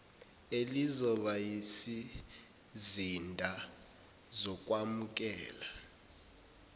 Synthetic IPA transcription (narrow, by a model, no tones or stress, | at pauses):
elizɔɓajisi | zindʱa | zɔk̬ʼwamuk̬ʼɛ̰ːla